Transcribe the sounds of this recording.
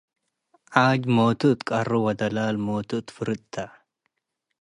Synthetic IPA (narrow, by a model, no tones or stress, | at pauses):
ʔaːd͡ʒmoːt̪ʊt̪kʼɐrːʊwɐd̪ɐlaːlmoːt̪ʊt̪fʊɾɪtt̪ʰːɐ